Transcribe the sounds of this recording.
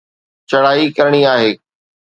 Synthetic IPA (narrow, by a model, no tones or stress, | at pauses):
t͡ɕɐɽ̤aːikɐɾəɽ̃iaːɦeː